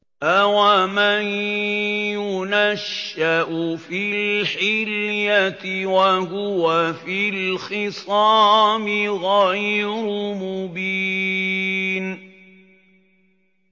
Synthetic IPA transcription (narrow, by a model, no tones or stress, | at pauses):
ʔawaman | jʊnaʃːaʔʊfilħɪljat̪ɪwahʊwafilxɪsˤɑːmɪɣajɾʊmʊbi | n